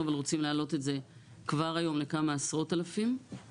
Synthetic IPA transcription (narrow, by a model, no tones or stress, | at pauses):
avalʁo̞t͡simleːlo̞te̞tze̞ | kvaʁajo̞mle̞kamaːsʁo̞talafim